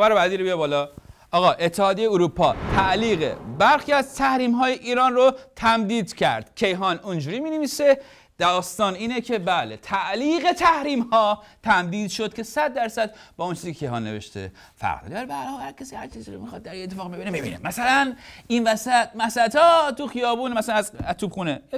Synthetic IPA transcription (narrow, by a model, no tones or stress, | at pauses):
væɾobæziːɾbijɑbɒːlɒʔɒːɣɒːʔe̞t̪ʰːehɒːd̪ijejeuɾupʰɒːt̪ʰæʔliːɣḛbæɾxiæzt̪ʰæhɾiːmɦɒːjeʔiːɾɒːnrot̪ʰæmd̪iːd̪cʰæ̰ɾd̪̥ckʲʰe̞jɦɒnund͡ʒuːɾiːmiːneviːse̞ | d̪̥ɒːst̪ɒːniːnecʰe̞bæːle̞t̪ʰæʔliːɣe̞t̪ʰæhɾiːmhɒːt̪ʰæmd̪iːd̪ʃo̞d̪̥̚kʲʰe̞sæd̪̚ːæɾsæd̪̚bɒːont͡ʃʰizikekʰejhɒ̰ːnːe̞̰vḛʃt̪ḛ | fæ̰ʁɾ̰d̪æɾbæhæɾhɒːlhæɾkʰesihæɾt͡ʃʰiziːɾomixɒːd̪̚ːæɾiet̪ʰːefɒːɣbebinebebḭnemæsælæninvæsæt̪mæsæt̪ɒːt̪uxijɒːbuːnmæsælænæzæt̪ʰuːbxuːne